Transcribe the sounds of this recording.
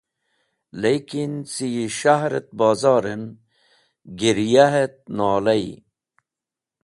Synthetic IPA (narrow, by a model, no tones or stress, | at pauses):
lejkinsiʃaɦɾet̪̚bɑːzɑːɾen | ɡiɾjaɦet̪̚nɑːlaj